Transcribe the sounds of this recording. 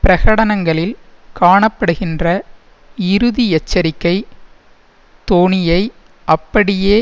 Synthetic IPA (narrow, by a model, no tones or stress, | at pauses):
pɪɾɐɣɐɽɐnɐŋɡɐɭɪlkaːɳɐpːɐɽɯɣɪndrɐ | ɪɾɯðijɛt͡ʃːɐɾɪkːɐɪ | t̪oːnɪjɐɪ | ʔɐpːɐɽɪjeː